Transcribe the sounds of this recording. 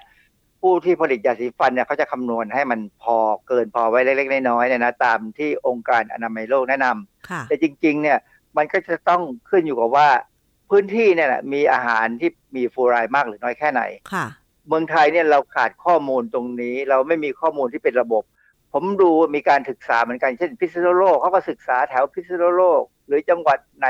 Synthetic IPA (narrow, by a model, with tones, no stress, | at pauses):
pʰuː˥˩t̪ʰiː˥˩pʰa˧li˨˩t̪̚jaː˨˩si˨˩˦fa˧nːi˥˩ɐkʰa˦˥wt͡ɕa˨˩kʰa˧mnu˧ənɦa˥˩jma˧npʰɔː˧kɤː˧npʰɔː˧wa˦˥jle˦˥k̚le˦˥k̚naː˥˩jnɔː˦˥jni˥˩na˦˥t̪aː˧mt̪ʰiː˥˩ʔo˧ŋkaː˧nʔa̰˧naː˧ma˧jloː˥˩k̚nɛː˦˥na˧mʰ˩t̪ɛː˨˩t͡ɕi˧ŋt͡ɕi˧ŋni˥˩ɐ | ma˧nkɔː˥˩t͡ɕa˨˩t̪ɔ˥˩ŋkʰɯ˥˩njuː˨˩kaː˨˩waː˥˩ | pʰɯː˦˥nt̪ʰiː˥˩ni˥˩ɐla̰˨˩miː˧ʔaː˧ɦa̰ː˩˦nt̪ʰiː˥˩miː˧fuː˧ɾaː˧jmaː˥˩k̚ɾɯː˩˦nɔː˦˥jkʰɛː˥˩na̰˨˩˦jkʰ | mɯ˧əŋt̪ʰa˧jni˥˩ɐɾa˧wkʰaː˨˩t̪̚kʰɔː˥˩muː˧nt̪o˧ŋniː˦˥ɾa˧wma˥˩jmiː˧kʰɔː˥˩muː˧nt̪ʰiː˥˩pe˧nɾa˧bo˨˩p̚ʰː | o˩˦mduː˧waː˥˩miː˧kaː˧nsɯ˨˩k̚saː˩˦mɯ˩˦nka˧nt͡ɕʰe˥˩npʰi˦˥t̪̚sa˧noː˥˩loː˥˩kʰːa˦˥wkɔː˥˩sɯ˨˩k̚saː˩˦t̪ʰɛ˩˦wpʰi˦˥t̪̚sa˧no˥˩loː˥˩k̚ɾɯː˩˦t͡ɕa˧ŋwa˨˩t̪̚na˨˩